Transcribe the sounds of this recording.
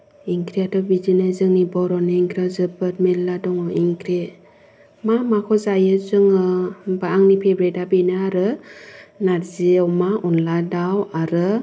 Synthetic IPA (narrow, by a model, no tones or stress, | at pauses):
iŋkɾiatɔbizinazɯŋnibɔɾɔnɯiŋkɾazɯbat̚menladɔŋɔiŋkɾe | mamakʰɔzajɯzɯŋɯbaaŋnipʰebɾetabenaːɾɯ | naɾziawmaʔɔnladawaɾɯ